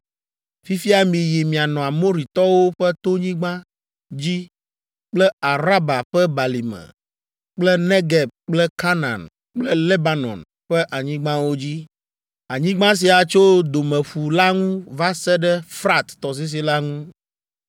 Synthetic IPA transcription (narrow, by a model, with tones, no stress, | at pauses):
fi˦fi˦a˨mĩ˨ji˨mĩ˨a˨nɔ̃˨a˨mo˦ɾi˨t̪ɔ˦wo˦ɸɛ˦t̪o˦ɲĩ˦ɡ͡bã˦ | d͡ʑi˦ | k͡plɛ˦a˨ɾa˦ba˨ɸɛ˦ba˨li˨mɛ̰̃˨ | k͡plɛ˦nẽ˦ɡɛ˨b̚k͡plɛ˦ka˦nã̰˨n | k͡plɛ˦le˦ba˦nɔ̰̃˨n | ɸɛ˦ʔa˨ɲĩ˦ɡ͡bã˦wo˦d͡ʑi˦ | a˨ɲĩ˦ɡ͡bã˦s̬i˨a˨t͡ʃo˦d̪o˨mɛ̃˨ɸu˨la˦ŋũ˦va˦sɛ˦ɖɛ˦fɾa˦t̪ːɔ˨s̬i˦s̬i˦la˦ŋũ˦